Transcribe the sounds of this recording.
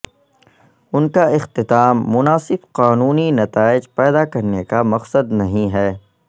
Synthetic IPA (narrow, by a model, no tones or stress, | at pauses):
ʊnkaɪxt̪ɪt̪aːmːʊnaːsɪbqaːnuːninɐt̪aːɪd͡ʒpɛːd̪akɐɾnekamɐqsəd̪nɐɦĩɦɛː